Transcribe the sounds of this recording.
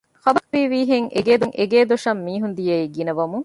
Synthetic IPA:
xɐbɐɾʋiːʋiːɦeŋʔḛɡeːd̪uŋʔeɡeːd̪oʃɐmːiːɦund̪ijɐiɡinɐʋɐmuŋ

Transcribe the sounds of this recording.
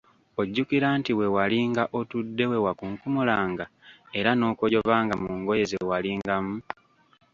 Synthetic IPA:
o̞ɟːukiɾaːntiwe̞waliːŋɡaʔo̞tudːe̞we̞wakuŋkumulaːŋɡae̞ɾano̞ːkojo̞vaːŋɡamuuŋɡo̞je̞zewaliːŋɡamu

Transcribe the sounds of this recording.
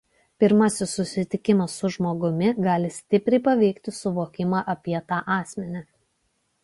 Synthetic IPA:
pʲɪɾmɐsʲɪsːʊsʲɪt̪ʲɪkʲɪmɐsʊʒmoːɡʊmʲɪɡɑːlʲɪsʲt̪ʲɪpʲɾʲɛɪpɐʋʲɛɪkt̪ʲɪsʊʋoːkʲɪmɑːʔɐpʲiɛt̪ɑːʔɑːsʲmʲɛnʲɛ

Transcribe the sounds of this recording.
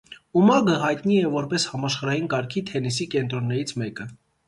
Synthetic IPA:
umɑɡəɦɑjt̪niɛvɔɾpɛshɑmɑʃχɑɾɑjinkɑɾkʰit̪ʰɛnisikɛnt̪ɾɔnːɛɾit͡sʰmɛkə

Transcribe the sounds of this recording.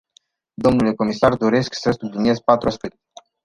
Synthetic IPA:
d̪o̞mnule̞ko̞misard̪o̞ɾe̞sksəsublinie̞zpat̪ɾuaspɨt̪

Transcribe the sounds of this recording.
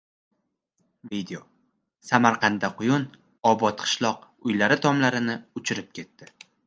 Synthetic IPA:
vid̪eo | samaɾqʰɑnd̪aqʰʊjʊn | ɒbɒt̪qʰɨ̥ʃlˠɒq̚ | ʊjlaɾɪt̪ʰɒmlaɾɪnɪʊt͡ʃʰɪɾɪp̚kʲʰe̞t̪ːɪ

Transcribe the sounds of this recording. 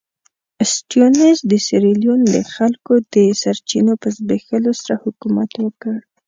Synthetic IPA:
sʈjonezd̪əsɪɾeljund̪əxalkod̪əsaɾt͡ʃinopəzbexəlosaɾahʊkumat̪wəkəɽ

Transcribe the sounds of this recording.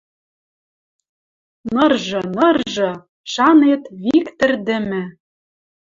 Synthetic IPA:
nɤ̆rʒɤ̆nɤ̆rʒɤ̆ | ʃɑnet̪βikt̪ɘ̆rd̪ɘ̆mmɘ̆

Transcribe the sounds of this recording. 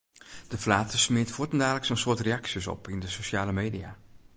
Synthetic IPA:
d̥əflaːtəsmɪətfoətəndaːləksonsʊətreɑksjəsɔ̰pʰindəsoʃaːləmeːdia

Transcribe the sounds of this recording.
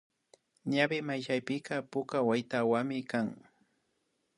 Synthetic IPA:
ɲabɪmajʃajpɪkapʊkawajt̪awamɪkaŋ

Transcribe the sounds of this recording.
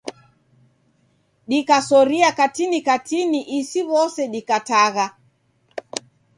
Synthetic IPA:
ɗikasɔɾiakatinikatiniʔisiβɔsɛɗikataɣa

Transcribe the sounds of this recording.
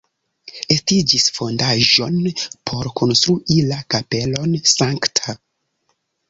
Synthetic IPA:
e̞stid͡ʒisfo̞ndaʒo̞npʰo̞ɾkʰo̞nst̪ɾuʔilakape̞lo̞nsaŋktʰa

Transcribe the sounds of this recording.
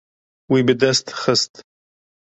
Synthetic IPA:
wibɨd̪ɛst̪xəst̪

